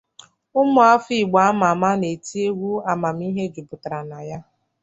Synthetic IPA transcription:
ʊ˦mʊ˨˦a˦fi˦˨ɡ͡ba˨a˦ma˨ma˦ne˨ti˦e˦wʷu˦a˨ma˨m̩˦i˦ɦe˦d͡ʒu˨bʊ˨ta˨ɾa˨na˨ja˦

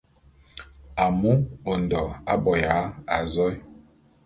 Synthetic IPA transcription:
a˨mu˦o˨n˨dɔ˨a˦bɔ˨ja˨˦a˨zɔ˦j

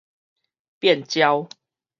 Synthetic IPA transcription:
pjɛ˥˨nt͡ɕja˦ʊ

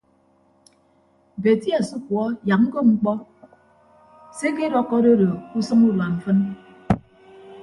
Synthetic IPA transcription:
be˨ti˦a˨su˦kwɔ˦ja˨k̚ŋ̩˦ko˦ŋ͡m̩˦k͡pɔ˦ | se˦ke˦ɾɔ˦kːɔ˦do˦do˨ku˦sɨ˦ŋu˦la˨m̩˨fɨ˦n

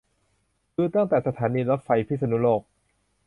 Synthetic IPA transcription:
kɯː˧˥t̪a˥˩ŋt̪ɛː˨˩sa˧t̪ʰaː˩˦niː˧laː˦˥fa˧jpʰi˦˥sa˧nu˦˥loː˥˩k̚

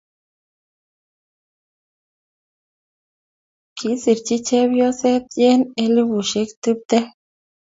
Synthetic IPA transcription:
kʰi˨˦si˨ɾt͡ʃi˦t͡ʃɛ˦bjɔ˦sɛ˦t̪̚jɛ˦ne˦li˦bu˨ʃe˨˦kt̪u˦p̚t̪ɛ˦

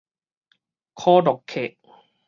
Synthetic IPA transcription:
kʰoː˧˥dɔ˨˩kʰːe˨˩ʔ̚

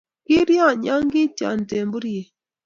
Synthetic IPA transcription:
ki˦ɾja˦˨ɲa˦ŋɡi˦ta̰˨n˨te˨mbu˦ɾi˦je˨

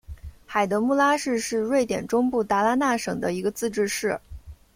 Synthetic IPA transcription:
xa˨˩ɪd̪ə˧˥mu˥˩la˥ʂɻ̩˥˧ʂɻ̩˥˧ɻwe˥˩ɪt̪jɛ̰˨˩nʈ͡ʂʊ˥ŋpu˥˩t̪a˥˩la˥na˥˩ʂɤ˨˩ŋd̪ə˦i˧˥ɡə˧t͡sɹ̩˥˧ʈ͡ʂɻ̩˥˧ʂɻ̩˥˩

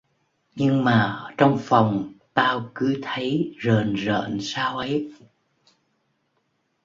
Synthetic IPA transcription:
ɲɨ˧ŋmaː˨˩t͡ɕɔ˧wŋ͡mfɔ˨˩wŋ͡mt̪aː˧wkɨ˨˦t̪ʰə˨˦jzəː˨˩nzə̰ː˧˨nsaː˧wʔə˨˦j

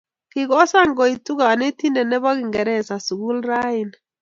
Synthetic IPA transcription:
kɪ˨kɔ˦sa˦ŋɡɔ˨i˨tu˦ka˨a˨ne˦ti˦ndɛ˨nɛ˦bɔ˦ki˨ŋɡɛ˨ɾɛ˦˨sa˨su˨ku˦lɾa˦i˨n

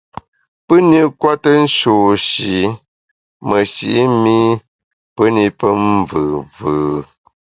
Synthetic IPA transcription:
pə˦ni˦kwa˦tə˦n̩˦ʃoː˨ʃi˨ | mə˨ʃḭ˨ʔi˦mi˦ | pə˦ni˦pə˦m˦vɨː˨vɨː˨

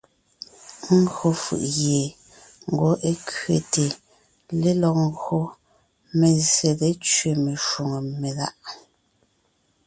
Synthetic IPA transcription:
ŋ̩˦ɡɰo˦fɯ̰˦˨ʔɣje˨ | ŋ̩˨ɡo˨˦ʔe˦kɥe˨te˨ | le˦lɔ˨k̚ŋ̩˦ɡɰo˦ | me˨zje˨ɣe˦t͡ʃɥe˨me˨ʃo˨ŋe˨me˨la̰˦˨ʔ

